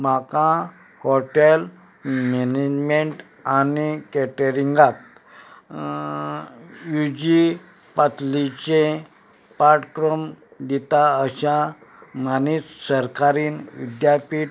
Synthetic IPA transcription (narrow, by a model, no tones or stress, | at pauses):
m̤akã | hoʈel | mened͡ʑmeɳʈ | anikɛʈəɾiŋɡat̪̚ | jud͡ʑi | pət̪lit͡ɕẽ | paɾʈkɾəmd̪it̪aəɕa | manissəɾkaɾiːnʋḭd̪japiːʈ